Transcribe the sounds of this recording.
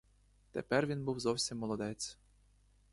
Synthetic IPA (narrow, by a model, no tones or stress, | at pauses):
t̪ɛ̰pɛrʋʲinbuwzɔwsʲimːɔlˠɔd̪ɛt̪t͡s̪ʲ